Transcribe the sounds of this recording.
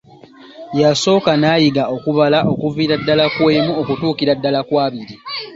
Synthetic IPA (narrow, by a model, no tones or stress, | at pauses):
jaso̞ːkanaːjiɡao̞kuβalaʔo̞kuviːɾadːalakwe̞ːmuokutuːkiɾadːalakwaːβiɾi